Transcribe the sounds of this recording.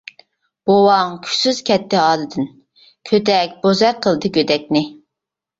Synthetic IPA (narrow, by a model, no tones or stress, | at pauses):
b̥owɑŋkʲʰy̥syz̥kʲʰɛt̪ːɪɑːlˠɨd̪ɨn | kʲʰøt̪ɛk̚ʲb̥ozɛqʰəlˠd̪ɨɡʲød̪ɛkʲnɪ